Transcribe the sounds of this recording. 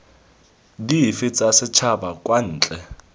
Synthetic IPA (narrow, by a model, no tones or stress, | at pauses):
difɪt͡sʼasɪt͡ʃʰabakʼwan̩ːt͡ɬʼɛ